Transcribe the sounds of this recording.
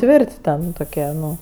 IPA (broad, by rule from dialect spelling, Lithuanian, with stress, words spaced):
ˈtʲʋʲɪrʲtʲ ˈtʲɛn toːˈkʲiɛ ˈnʊ